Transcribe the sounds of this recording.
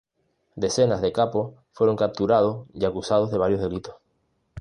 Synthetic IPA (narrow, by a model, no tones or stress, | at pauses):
d̪e̞senazðe̞kapos | fweɾoŋkap̚t̪uɾað̞osiakusað̞ozðe̞aɾjo̞zðe̞lit̪os